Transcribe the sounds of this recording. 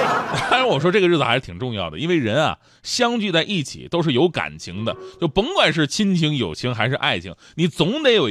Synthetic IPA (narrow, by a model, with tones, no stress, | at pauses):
fʈ͡ʂa˧˥wɔ˨˩ʂ̬wɔ˥ʈ͡ʂɤ˥˩ɡə˧ɻ̩˥˩ɹ̩˨˩a̰˧˥ʂɻ̩˥˩t̪ʰi˨˩ʈ͡ʂʊ˥˧ŋjɑ˥˩ʊd̪ə̰˩i˥nwe˥˩ɪɻə˧˥nɐ̰˨ | ɕjɑ˥ŋt͡ɕy˥˧t͡sa˥˧ɪʔi˥˩t͡ɕʰḭ˨˩t̪o˥ʊʂɻ̩˥˩jo˧˥ʊka̰˨˩nt͡ɕʰi˧˥ŋd̪ə˧t͡ɕjo˥˩ʊpə˧˥ŋkwa˨˩nʂ̬ɻ̩˥˩t͡ɕʰi˥nt͡ɕʰi˧˥ŋjo˨˩ʊt͡ɕʰi˧˥ŋxa˧˥ɪʂɻ̩˥˧ʔa̰˥˩ɪt͡ɕʰḭ˧˥˩ŋ | ni˨˧˩t͡sʊ˧˥ŋt̪e˧˥jo˨˩